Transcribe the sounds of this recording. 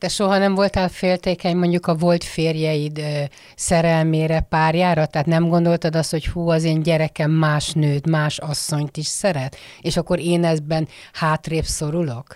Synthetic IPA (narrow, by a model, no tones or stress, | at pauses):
d̪̥ɛʃo̞ɦɒnɛɱvo̞lt̪aːlfeːlt̪eːkɛɲmo̞ɲɟukɒvo̞lt̪feːrjɛjid̪ | sɛɾɛlmeːɾɛpaːrjaːɾɒt̪ɛɦːt̪nɛmɡo̞nd̪o̞lt̪ɒd̪ɒst̪ho̞chuːɒzeːnɟɛɾɛkɛmːaːʃnøːt̪maːʃɒsːo̞ɲt̪iʃsɛɾɛt̪eːʃɒkːo̞ɾeːnɛzbɛn | haːt̪reːpso̞ɾulo̞k